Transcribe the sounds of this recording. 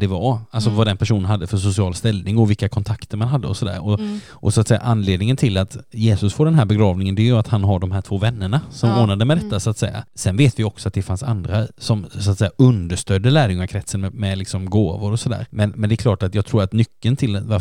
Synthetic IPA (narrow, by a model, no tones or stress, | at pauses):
d̪ɛvaalsɔvad̪ɛnpʰæʂuːnənɦad̪ːəfœʂʊsɪɑːlst̪ɛlnɪŋɔvɪlkːakʰɔnt̪ʰakt̪əɾmanɦad̪ːəɔsɔd̪æ̰ːɾɔ | ʔɔsʊat̪sɛjːa̰ʔanːleːd̪nɪŋənt̪ʰɪlːat̪jeːsɵsfoːɖ̪ɛnɦæːɾbɛɡɾɑːvnɪŋənd̪ɛjɵat̪hanɦaɖɔmɦæːʈʰv̥oːvɛnːəɳasɔmoːnad̪əmɛd̪ɛt̪ːasʊat̪sɛjːa̰sɛnveːt̪vɪjɔksɔat̪̚d̪ɛfansa̰nd̪ɾasɔmsʊat̪sɛjːaɵnd̪əʂt̪œd̪ːəlæːɾjɵŋaɾkʰɾɛt̪sənmɛmɛlɪksɔmɡoːvʊɾɔsɔd̪æ̰ːɾmɛnmɛnd̪ɛklɑːʈat̪jɑːɡt̪ʰɾuːɾat̪nʏkːənt̪ʰɪlva